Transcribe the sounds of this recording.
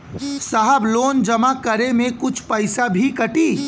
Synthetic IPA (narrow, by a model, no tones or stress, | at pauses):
saɦəbloːnd͡ʒɐmakɐɾemẽkʊt͡ʃʰpɐɪsabʱikɐʈiː